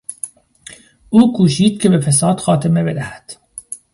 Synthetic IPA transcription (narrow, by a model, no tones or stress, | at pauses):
uːkʰuːʃiːd̪̥̚kʲʰebefes̬ɑːd̪xɑːt̪ʰemebed̪æhæ̥d̪̥